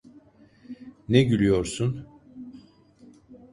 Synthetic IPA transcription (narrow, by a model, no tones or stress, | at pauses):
neɟylʲijo̞ɾsun